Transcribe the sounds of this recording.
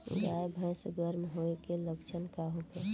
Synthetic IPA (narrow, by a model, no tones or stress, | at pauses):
ɡaebʱə̃sɡəɾmɦoekeləkt͡ʃʰənkaɦokɛ